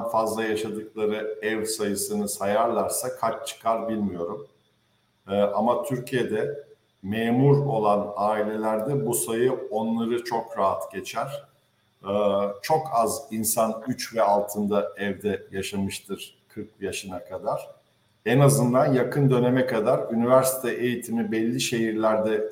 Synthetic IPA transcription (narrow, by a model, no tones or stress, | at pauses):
nfazlˠajaʃad̪ɯklˠaɾɯɛvsajɯsɯnɯsajaɾlˠaɾsakʰaɾt͡ʃt͡ʃʰɯ̥kʰaɾbilʲmijo̞ɾum | ʔamat̪ʰyɾcʰije̞d̪ɛ | meːmuɾo̞lˠanaːilʲe̞lʲæɾd̪ɛbusajɯo̞nlˠaɾɯt͡ʃʰo̞kɾaɦat̪ɟe̞t͡ʃʰæɾ̥ | t͡ʃʰo̞kʰazinsanyt͡ʃvɛalˠt̪ʰɯnd̪aɛvd̪ɛjaʃamɯʃt̪ʰɯɾ̥ | kʰɯɾk̚jaʃɯnakʰad̪aɾ̥ | ɛnazɯnd̪anjakʰɯnd̪ø̞nemɛkʰad̪aɾynivæɾsi̥t̪ʰɛʔejit̪ʰimibɛlʲːiʃe̞ɦiɾlʲæɾd̪ɛ